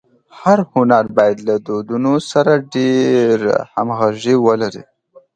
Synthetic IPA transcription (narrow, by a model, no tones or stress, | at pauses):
haɾhʊnaɾbɑjad̪lad̪od̪unosaɾaɖeɾha̰mɣaʒiwəlaɾḭ